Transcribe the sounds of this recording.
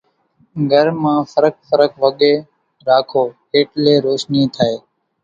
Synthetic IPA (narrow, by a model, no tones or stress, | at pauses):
ɡʱəɾmãːfəɾək̚fəɾəkʋəɠeː | ɾaːkʰoː | eːʈleːɾoːʃniːt̪ʰaːeː